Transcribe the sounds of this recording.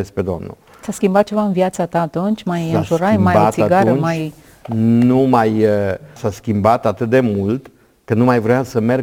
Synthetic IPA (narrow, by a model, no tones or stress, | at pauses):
esped̪o̰mnṵ | t̪askʲimbat̪̚t͡ʃe̞vaɨnvjat̪sat̪aːt̪unt͡ʃʲmajəakuɾajmabat̪siatɡ̪aɾuənmaj | numajəsaskʲimbat̪at̪ɨt̪̚d̪e̞mult̪ | kənumajvɾojasəmer